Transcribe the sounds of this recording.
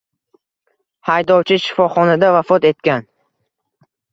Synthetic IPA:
hajd̪ɒwt͡ʃʰɪʃɪ̥fɒχɒnad̪avafɒt̪e̞t̪̚kʲan

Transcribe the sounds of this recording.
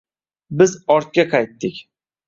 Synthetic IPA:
bɪzɒɾt̪̚kʲaqʰɑjt̪ːɪkʲ

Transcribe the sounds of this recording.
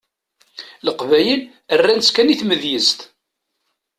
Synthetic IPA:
ləqvæjəl | ərːænskæniθməðjəzt̪

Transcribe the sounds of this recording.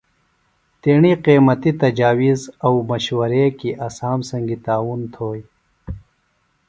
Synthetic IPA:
t̪eːɳiqeːmɐt̪it̪ɐd͡ʑaːwizɐwmɐɕwɐɾekiʔasaːmsɐŋɡit̪aːwunt̪ʰoːj

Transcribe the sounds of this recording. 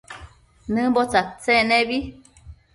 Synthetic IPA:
nɨbɔt͡sat͡sɛnɛbi

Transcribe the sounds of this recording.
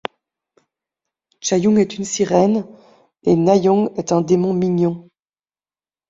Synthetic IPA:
t͡ʃajuŋɛt̪ynsiʁɛn | enajɔ̃ŋɛt̪ɛ̃d̪emɔ̃miɲɔ̃

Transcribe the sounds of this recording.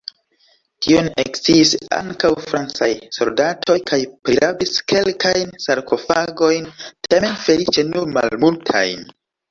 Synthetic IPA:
kʰionḛkt͡siːsa̰ŋkawfɾant͡sajso̞̰ldatʰo̞jkʰajpɾiɾabiske̞lkajnsaɾkʰo̞faɡo̞jntame̞nfe̞lit͡ʃe̞numa̰lmultʰa̰jn

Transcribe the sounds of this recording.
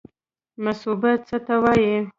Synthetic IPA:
masubat̪t͡sət̪awɑji

